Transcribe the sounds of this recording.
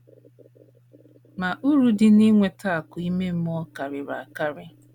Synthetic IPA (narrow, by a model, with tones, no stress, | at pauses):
ma˨ʔu˦ɾu˦dɪ˦ni˦ŋʷe˨ta˦˨a˨kʊ˨i˦me˦m̩˦m˦ɔ˦ka˨ɾɪ˨ɾa̰˨ka˦ɾɪ˦